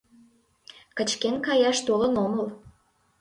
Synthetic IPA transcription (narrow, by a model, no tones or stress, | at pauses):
kə̆t͡ɕkenkɑjɑʃt̪olənoməl